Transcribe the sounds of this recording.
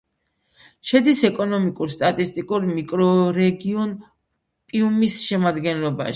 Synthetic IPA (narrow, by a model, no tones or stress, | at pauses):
ʃɛd̪isɛkʼɔnɔmikʼuɾst̪ʼat̪ʼist̪ʼikʼuɾmikʼɾɔɾɛɡiɔn | pʼiumisʃɛmad̪ɡɛnlɔba̰ʃ